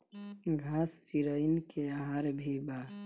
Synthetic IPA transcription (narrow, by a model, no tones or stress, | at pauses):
ɡʱast͡ʃiɾəɪnkeaɦaɾbʱiba